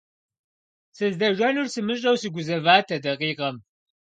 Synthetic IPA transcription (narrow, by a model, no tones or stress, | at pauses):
sɨzdɐʒʷɐnursɨmɨɕʼɐwsɨɡʷʊzɐvaːtʰɐdɐqiːqɐm